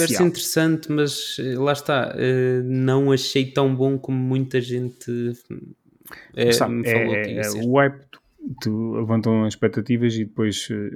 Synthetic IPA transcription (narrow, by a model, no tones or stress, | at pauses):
vɛɾsĩnt̪ɨɾɨsɐ̃nt̪mɐzɛlˠaʃt̪aɛnɐ̃w̃ɐʃejt̪ɐ̃w̃bõkomumũj̃t̪ɐʒẽnt̪ɨ | ɛamfɛɐlˠoḭɛuajp̪ | t̪ɨlˠɨvɐ̃nt̪ɐ̃w̃ɐʃpɛk̚t̪ɐt̪ivɐziðɨpojʃɛ